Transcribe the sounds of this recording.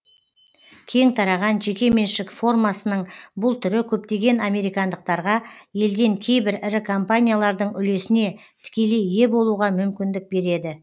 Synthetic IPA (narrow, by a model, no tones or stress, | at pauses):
kʲʰe̞ŋt̪ʰɑɾɑʁɑnʒe̞kʲe̞me̞nʃɪkfo̞rmasənəɴbʊlˠt̪ʰʏɾɪkʲʰɵp̚t̪e̞ɡʲe̞name̞ɾijkand̪əq̚t̪ɑɾʁɑje̞ld̪e̞ŋkʲʰe̞jbɪɾɪɾɪkʰompanʲijalˠɑɾd̪əɴʏle̞sɪne̞ | t̪ʰɪ̥kʲe̞lejːe̞bo̞lˠuʁɑmʏmkʲɪnd̪ɪk̚be̞ɾe̞d̪ɪ